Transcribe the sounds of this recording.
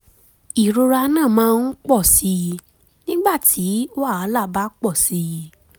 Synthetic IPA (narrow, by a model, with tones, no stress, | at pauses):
i˨ɾo˧ɾa˧nãː˦˨mãː˦˧˦n̩˦k͡pɔ˦˨si˧ | nĩ˦ɡ͡ba˦˨tʰi˨˦o˦a˦˨a˨˧˦la˦˨ba˦k͡pɔ˦˨si˧